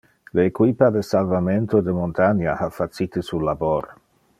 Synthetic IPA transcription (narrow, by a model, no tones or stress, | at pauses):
leːkwipad̪esalvament̪od̪emont̪anahafat̪sit̪əsulaboɾ